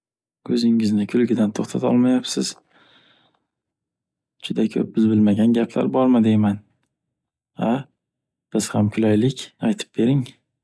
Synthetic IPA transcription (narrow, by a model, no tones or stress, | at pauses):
kʰɵzɪŋɪznɪkʲʰʊlˠɡʲɪd̪ant̪ʰoχt̪ʰat̪ʰɒ̰lˠmajapsɪz̥ | d͡ʒʊd̪akʲʰɵ̰p̚bɪzbɪlmaɡʲanɡʲapʰla̰ɾbɒɾmɪd̪eman | a | b̥ɪz̥hamkʰʊlajlɪkʲajt̪ʰɪ̥p̚be̞ɾɪŋ